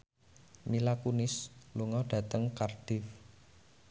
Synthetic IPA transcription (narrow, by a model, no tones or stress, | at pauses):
milakunɪsluŋɔɖ̥ä̤t̪əŋkard̥ɪf